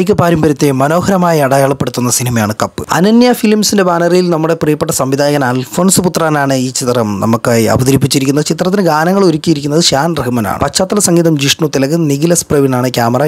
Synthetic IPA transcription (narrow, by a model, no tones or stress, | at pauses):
kʲːɨpaːɾumbɐɾit̪ːemɐno̞ːɦɐɾɐmaːjiɐɽɐjaːɭɐpːe̞ɽut̪ːunːɐsinimɐjaːɳɨkɐpːɨɐ̰nɐnjafilmsinde̞baːnɐrijilnɐmːuɽe̞prɨjɐpːeʈːɐsɐmʋid̪ʱaːjɐɣɐnaːlfo̞ːnsɨput̪raːnaːɳɨiːt͡ɕit̪ːrɐmnɐ̰mukːaːjiɐ̰bɐd̪ɐɾipːit͡ɕːiɾikʲːunːɐðɨt͡ɕit̪rɐt̪ːinɨɡaːnɐŋːɐɭoɾukʲːijiɾikʲːunːɐðɨɕaːnreɦɨmɐna̰ːɳɨpɐt͡ɕːaːt̪ːɐlɐsɐŋɡiːðɐmd͡ʑiʂɳut̪ilɐɣɨniɡilɐsprɐʋinaːɳɨkʲjaːmɐrɐ